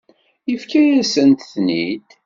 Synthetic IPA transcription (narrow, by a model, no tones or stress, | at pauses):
jəfkæjæsənt̪θnid̪